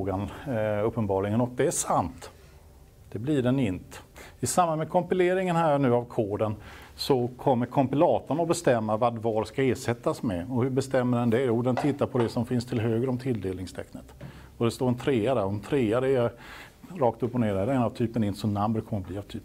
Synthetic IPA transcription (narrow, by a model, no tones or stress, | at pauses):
ɡanɵpːənbɑːlɪɡənɔt̪̚d̪ɛæʂant̪ | d̪̥ɛblɪɖɛnɪnt̪ɪsambanmɛkʰɔmpɪleːɾɪŋənhæːɾɳʉ̟ːavkʰoːɖənsɔkʰɔmːəɾkʰɔmpɪlɑːt̪ənaɔbɛst̪ɛmːavad̪vɑːɾskaeːʂɛt̪ːasmɛɔhɵbɛst̪ɛmːəɖɛnd̪ɛjuːd̪ɛnt̪ʰɪt̪ːaɾpʰɔd̪ɛsɔmfɪnst̪ʰɪlɦøːɡəɾɔmt̪ʰɪld̪eːlɪŋst̪ʰɛ̰knət̪ | ɔd̪ɛst̪oːɾɛnt̪ʰɾeːad̪æɾɛnt̪ʰɾeːad̪ɛɛ | ɾɑːkt̪ɵpːɔneːɖɛɾɛnavt̪ʰyːpənɪnt̪sɔnambəɾkʰɔmːəɾbliːavt̪ʰyːp